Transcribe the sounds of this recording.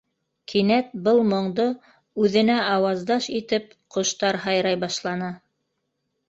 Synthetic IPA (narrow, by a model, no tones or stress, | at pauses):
kʰinæt̪̚bɤlˠmŏɴd̪o | ʉðɘ̆næɑwɑzd̪ɑʃit̪ɘp̚qŏʃt̪ɑɾɦɑjɾɑjbɑʃlˠɑnɑ